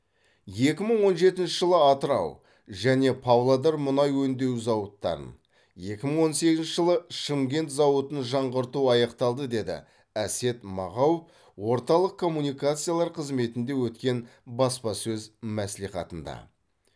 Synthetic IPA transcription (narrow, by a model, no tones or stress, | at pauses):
je̞kʲɪməɴwo̞nʒe̞t̪ɪnʃɪʒəlˠəɑt̪əɾɑ̰w | ʒæne̞pʰɑwlˠɑd̪ɑɾmʊnɑjwɵnd̪e̞wzɑwət̪ːɑ̰ɾə̰n | je̞kʲɪməɴwo̞nse̞ɡʲɪznʃɪʒəlˠəʃəmɡʲe̞nt̪zɑwət̪ənʒɑɴʁəɾt̪uɑjɑqt̪ɑlˠd̪əd̪e̞d̪ɪ̰ | æse̞t̪mɑ̰ʁɑwep | wo̞ɾt̪ɑlˠəq̚kʰo̞mːunijkat̪sɨjalˠɑɾqʰəzme̞t̪ɪnd̪e̞wɵt̪kʲe̞nbɑspɑsɵzmæsliχɑ̰t̪ənd̪ɑ̰